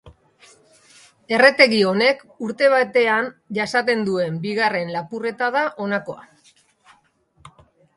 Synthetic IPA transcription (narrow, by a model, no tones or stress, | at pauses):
e̞re̞t̪e̞ɣio̞ne̞k | uɾt̪e̞β̞at̪e̞anʝasat̪̬e̞nd̪ue̞mbiɣare̞nlapure̞t̪að̞aʔo̞nako̞̰a̰